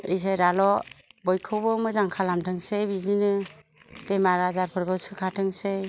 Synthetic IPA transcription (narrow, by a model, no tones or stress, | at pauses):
ijs̬eɾalɔbɔjkʰɯwbɯmɯzaŋkʰalamtʰɯŋsebizinɯ | b̥emaɾazaɾpʰɯɾɡɯsɯkʰatʰɯŋse